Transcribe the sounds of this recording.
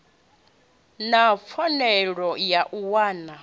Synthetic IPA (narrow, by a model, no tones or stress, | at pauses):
nap̪fʰɔnɛɺɔjaʔuwaːna